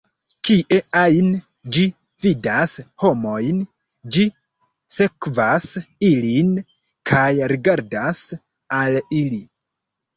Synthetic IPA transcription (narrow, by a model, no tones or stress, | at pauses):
kiʔe̞ajn | d͡ʒi | vidasho̞mo̞jn | d͡ʒi | se̞kvasilin | kʰajɾiɡaɾdas | alili